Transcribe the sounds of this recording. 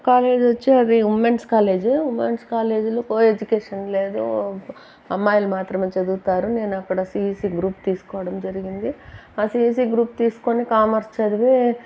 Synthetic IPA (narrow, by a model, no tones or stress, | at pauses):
kaːle̞ːd͡ʒʋɐt͡ʃːiɐd̪iumenskaːle̞ːd͡ʒeumːeɳskaːle̞ːd͡ʒulukoed͡ʒukeːʂɐnle̞ːd̪u | ɐmːaːjɐlɐmaːt̪ɾɐmeːt͡ʃɐd̪uɡut̪aːɾune̞ːnɐkːɐɽɐsiːiːsiːɡɾuːp̚t̪iːsu̥kɔːʋɐɽɐmd͡ʒɐɾiɡind̪iaːsiːis̬iːɡɾuːp̚t̪iːsu̥konikaːmɐɾst͡ʃɐd̪iʋe